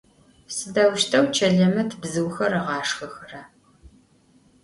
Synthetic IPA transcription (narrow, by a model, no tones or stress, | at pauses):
sɨdɐwʃtʰɐwt͡ʃʰɐɮɐmɐtʰɨbzɨwxɐrɐʁɑːʂxɐxɐrɐ